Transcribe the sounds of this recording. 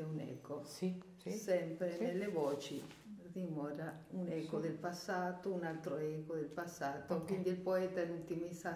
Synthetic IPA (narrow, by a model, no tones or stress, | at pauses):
ɛunɛ̰ko | sɛmpɾenelːevɔːt͡ʃi | d̪imɔːɾaunɛkod̪elpasːaːt̪ounalt̪ɾoɛkod̪elpasːaːt̪okwind̪ilpoɛːt̪aut̪imisa